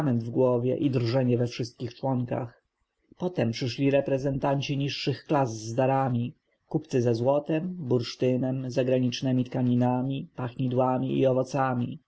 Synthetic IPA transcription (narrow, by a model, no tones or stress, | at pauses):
mɛnd̪vɡwɔvʲjɛ̰ʔid̪ɾʐɛɲɛvɛfʂɘst̪̚kʲixt͡ʂwɔŋka̰x | pɔt̪ɛmpʂɘʂlʲiɾɛpɾɛzɛnt̪aɲt͡ɕiɲiʂːɘxklazzd̪aɾamʲi | kupt̪sɘzɛzwɔt̪ɛmbuɾʂt̪ɘnɛmzaɡɾaɲit͡ʂnɛmʲit̪kaɲinamʲipaxɲid̪wamʲiḭɔvɔt̪samʲḭ